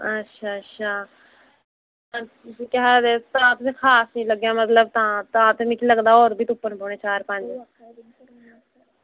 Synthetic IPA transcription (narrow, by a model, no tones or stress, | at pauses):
ətːʃʰaːətːʃʰaː | ãt̪ʊsĩːkɛɦd̪eːt̪ãːt̪ʊsĩːkʰaːsiːləɡjãːmət̪ləb̚t̪ãːt̪ãːt̪emɪkiləɡd̪aːɔːɾbʱiːt̪ʊpːənpɔːɽ̃neːt͡ʃaːɾpə̃ɲd͡ʒ